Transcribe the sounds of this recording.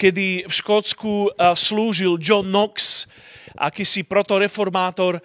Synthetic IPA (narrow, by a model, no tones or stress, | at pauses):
kɛd̪ifʃkɔt͡skusluːʒild͡ʒɔnːɔks | ʔa̰kisipɾɔt̪ɔɾɛfɔɾmaːt̪ɔɾ